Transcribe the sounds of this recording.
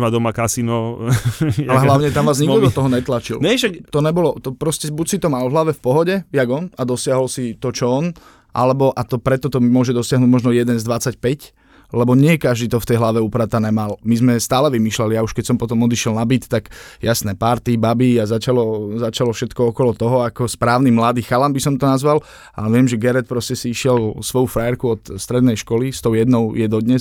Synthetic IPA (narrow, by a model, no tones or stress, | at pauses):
mad̪ɔmakasinɔ | alɛɦlaʊɲɛt̪amʋaːzɲiɡd̪ɔd̪ɔt̪ɔɦɔɲɛt̪lat͡ʃḭlɲɛʃakt̪ɔɲɛbɔlɔt̪ɔpɾɔscɛbucsit̪ɔmalvɦlaʋɛfpɔɦɔɟɛjaɡɔnad̪ɔsɪaɦɔlsit̪ɔt͡ʃɔɔn | ʔa̰lɛbɔʔat̪ɔpɾɛt̪ɔt̪ɔmʊɔʒɛd̪ɔsɪaɦnuːɟmɔʒnɔjɛd̪ɛnzd̪ʋat͡sacpɛc | lɛbɔɲɪɛkaʒd̪it̪ɔft̪ɛjɦlaʋɛupɾat̪anɛmalmizmɛst̪aːlɛʋimiːʃlɛlijauʃkɛcsɔmpɔt̪ɔmɔd̪iʃɪɛlnabit̪ːaɡjasnɛːpaɾt̪ibabiazat͡ʃalɔzat͡ʃalɔfʃɛt̪kɔɔkɔlɔt̪ɔɦɔakɔspɾaːʊnimlad̪iːxalambisɔmt̪ɔnazʋal | a̰ɛʋɪɛmʒɛɡɛɾɛt̪̚pɾɔscɛsiiʃɪɛlsʋɔjufɾajɛɾkuɔt̪st̪ɾɛd̪nɛjʃkɔlist̪ɔʊjɛd̪nɔʊjɛd̪ɔd̪ɲɛs